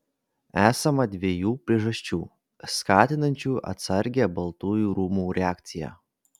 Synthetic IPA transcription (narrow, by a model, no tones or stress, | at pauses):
æːsɐmɐd̪ʲʋʲeɛjuːpʲɾʲiɛʒɐsʲt͡ʃʲuː | skɑːt̪ʲɪnɐnʲt͡ʃʲuːʔɐ̰t̪sɐɾʲɡʲæbɐlˠt̪uːjuːɾuːmuːɾʲɛɑːkt̪sʲɪjæ̰ː